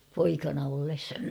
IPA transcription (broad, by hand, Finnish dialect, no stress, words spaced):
poikɑnɑ olːes